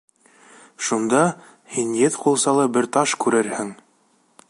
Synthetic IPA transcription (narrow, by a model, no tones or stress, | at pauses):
ʃund̪ɑ | hinjɘt̪qulˠsɑlˠɤbɘɾt̪ɑʃkʉɾɘɾhɘŋ